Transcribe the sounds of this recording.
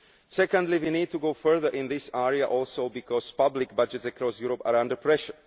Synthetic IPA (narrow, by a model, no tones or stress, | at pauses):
sɛkə̃nd̪liʋiːniːd̚t̪uɡoʊfə˞ðəɹʔɪ̃nðɪsɛɹiaʔɔlˠsoʊbikɔspablɪk̚bad͡ʒɛtsɛkɾɔsjuːɾɔpa̰ːɾãndəɹpʰɹɛʃəɹ